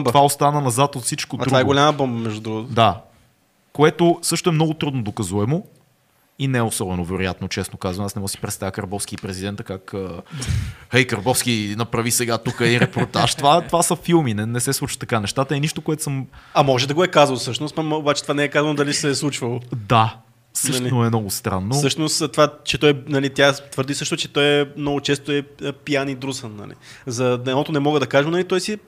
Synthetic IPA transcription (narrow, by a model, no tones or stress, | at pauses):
ovaost̪anənɐzat̪ot̪fsit͡ʃkodt̪ɾuaɛɡolʲaməbɔmbəmɛʒd̪ud̪ɾuɡt̪d̪a | koɛt̪osɤʃt̪oɛmnɔɡot̪ɾud̪nod̪okɐzuɛmo | inɛosɔbɛnovɛɾojat̪not͡ʃɛsnokazvɐmasnɛmɔɡəsi̥pɾɛt̪st̪avjəkɐɾbɔfskipɾɛzid̪ɛnt̪əkakə | hɛjkəɾbɔfskinɐpɾɐvisɛɡat̪ukəiɾɛpoɾt̪aʃt̪ovat̪ovasəfilˠminɛnɛsɛslˠut͡ʃə̥t̪ːɐkanɛʃt̪at̪əiniʃt̪okoɛt̪ʊ̥səmɐmɔʒɛd̪ɐɡoɛkazəlˠsɤʃnost̪amobat͡ʃɛt̪vanɛɛkazvɐnod̪ɐlisɛslˠut͡ʃvɐlˠod̪a | fsɤʃtlinoɛmnɔɡost̪ɾa̰nːoɤʃnost̪t̪vat͡ʃɛt̪ɔjɛnɐlit̪jat̪vəɾd̪isɤʃt̪ʊt͡ʃɛt̪ɔjɛmnɔɡʊt͡ʃɛst̪oɛəpijanid̪ɾusənːɐ̰lḭzɐd̪ɛnɔt̪ʊnɛmɔɡəd̪ɐkaʒɛmnɐlit̪ɔjsi